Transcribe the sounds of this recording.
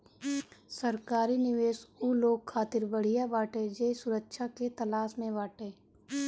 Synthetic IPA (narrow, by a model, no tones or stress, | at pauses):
səɾkaːɾinɪʋeːʃuːloːɡkʰaːt̪ɪɾbəɽ̤ijabaːʈed͡ʒeːsʊɾəkʃaket̪ɐlaːsmẽʋaːʈeː